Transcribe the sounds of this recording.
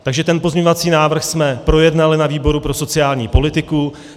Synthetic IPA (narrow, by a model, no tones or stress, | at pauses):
t̪aɡʒɛt̪ɛnpo̞zmɲo̞vat͡siːnaːvr̩xsmɛpɾo̞jɛdnalɪnaviːbo̞ɾupɾo̞so̞t͡sɪjaːlɲiːpo̞lɪt̪ɪku